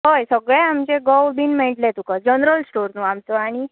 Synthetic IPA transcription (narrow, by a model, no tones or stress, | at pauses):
ɦəjsəɡɭeamd͡ʑeɡəwbinmeʈlet̪ukəd͡ʑənɾəlsʈoɾnuamt͡sɔaɽ̃i